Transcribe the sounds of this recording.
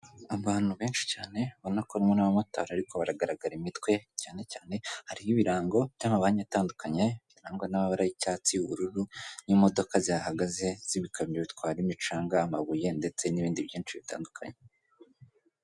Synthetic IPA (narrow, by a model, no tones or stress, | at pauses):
aβaːn̥uβeːnʃi̥caːne̞βonakoɾimwenaβamato̰ɾaɾikʰo̞βaɾaɡaɾaɡaɾimitwe̞caːne̞caːne̞haɾijiβiɾaːŋɡo̞βjamaβaɲaataːndukaɲe̞βiɾaːŋɡonaβaβaɾajicaːt͡siuβuɾuɾunimo̞do̞kaziahaɡaze̞z̥iβikʰamɲeβitwaːɾimit͡ʃaːŋɡaːmaβuje̞nde̞t͡se̞niβiːndiβjiːnt͡ʃiβita̰ːndukʰa̰ɲe